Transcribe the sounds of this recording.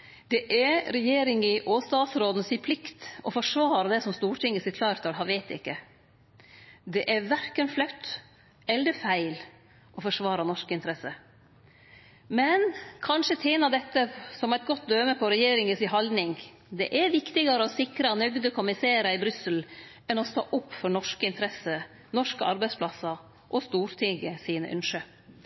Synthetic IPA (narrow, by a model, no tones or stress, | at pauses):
d̪̥ɛʔɛɾɛjeːɾɪŋɪʔoːst̪ɑːsɾoːd̪nsiːpʰlɪkt̪ɔfɔʂʋɑːɾɑd̪ɛsɔmst̪uːʈʰɪŋːəsɪk̪ʰlɑːɾt̪ʰɑlhɑʋæɪt̪ɪ̰kːə | d̪ɛʔɛɾʋæɾkənflœt̪ː | ɛləd̪əfæɪl | ʔɔfɔʂʋɑːɾɑnɔʂkɪnt̪ɾɛsə | mɛnkʰɑnʂət̪ʰeːnɑʋd̪ɛt̪ːəsɔmæɪt̪̚ɡɔt̪̚d̪øːməpʰɔɾɛjeːɾɪŋəsɪɦɑld̪nɪŋ | d̪ɛʔɛɾʋɪkt̪ɪɡɑɾəɔsɪkɾɑnœɡd̪əkʰʊmɪseːɾəɪbɾʏsəl | ɛnɔst̪o̰ːʔʊpːfɔɳɔʂkəɪnt̪əɾɛsə | nɔʂkəɑɾbæɪspʰlɑsɑ | ʔɔst̪uːɾt̪ʰɪɡəsiːnə̰ʔœ̰nʂə